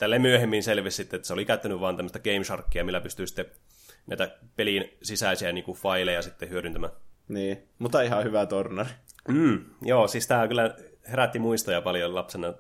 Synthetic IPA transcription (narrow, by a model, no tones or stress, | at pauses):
t̪ælːemyøhemːinselʋissit̪ːeet̪ːæseolikæt̪ːænyʋʋɑːnt̪æmːəst̪ækeimʃɑrkːiɑmilːæpyst̪yisi̥t̪ːe | næit̪æpelinsisæisiæniːŋkufɑilejɑsit̪ːehyøɾynt̪æmæniː | mut̪ːɑihɑhyʋæt̪ornɑrim̩ːjoːsiːst̪æːkylːˑæheræt̪ːimuist̪ojɑpɑljolɑpsenɑ